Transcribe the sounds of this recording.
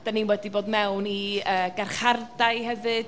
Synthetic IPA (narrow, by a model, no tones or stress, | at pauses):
d̥aniːnwɛdiboːdmɛwniəːɡarχardaɨhɛvɨd̥